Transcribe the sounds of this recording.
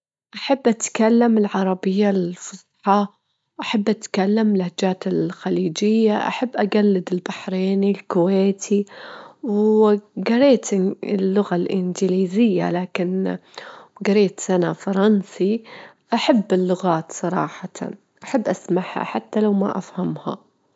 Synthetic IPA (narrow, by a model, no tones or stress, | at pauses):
ʔaħabːʔat̪kalːamɪlʕɑɾˤɑbɪjːalfʊzˤħɑ | ʔaħabːʔat̪kalːamlahd͡ʒaːt̪ɪlxaliːd͡ʒɪjːaʔa̰ħabːʔaɡalːɪd̪ɪlbaħɾeːnilkʊweːt̪ʰiwɡaɾeːt̪ɪlːʊɣalʔɪ̰nd͡ʒɪliːzɪjːa̰laːkɪn | ɡɑɾeːt̪ʔanafɑɾˤɑnsi | ʔaħabːɪlːʊɣaːt̪sˤɑɾˤɑ̰ːħɑt̪ʰa̰ | ʔaħabːʔasmaħha̰ħat̪ːalawma̰ʔa̰fhamha̰